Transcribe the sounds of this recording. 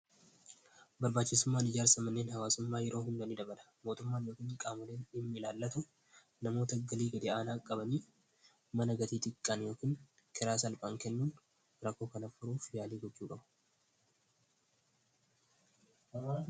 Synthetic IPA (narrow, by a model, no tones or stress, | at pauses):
bɐɾbaːt͡ʃːɪsʊmːaːnɪd͡ʒaːɾsɐmɐnːeːnhɐwaːsʊmːaːjɛɾo̞ːɦʊnd̪ɐniːd̪ɐbɐlɐ̥ | mo̞ːt̪ʊmːaːnjo̞ːkɪnkʼaːmʊleːnɪmːɪlaːlːɐt̪ʊ | nɐmo̞ːt̪ɐɡɐliːɡɐd̪ɛaːnaːkʼːɐbɐniː | mɐnɐɡɐt̪iːt̪ʼɪkʼːanjo̞ːkɪːŋ | kʰɛɾaːsɐlpʼaːŋkɛnːuːn | ɾɐkːo̞ːkɐnɐfʊɾuːfjaːliːɡɔtːuːkʼɐbɐ̥